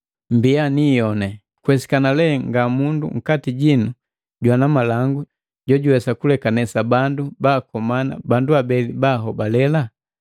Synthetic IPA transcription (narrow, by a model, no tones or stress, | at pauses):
mbianijɔnɛ | kwɛsi̥kanalɛŋɡamundṵŋ̩katiɟinu | ɟwanamalaŋɡu | ɟɔɟuwɛsakulɛkanɛsabandubaːkɔmana̰banduabɛlibaɦɔbalɛla